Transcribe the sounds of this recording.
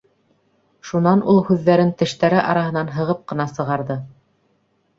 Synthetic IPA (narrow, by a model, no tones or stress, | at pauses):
ʃunɑnulˠhʉðːæɾɘnt̪ɘ̆ʃt̪æɾɘʔɑ̰ɾɑɦɤ̆nɑnɦɤ̆ʁɤp̚qɤ̆nɑsɤ̆ʁɑɾðɤ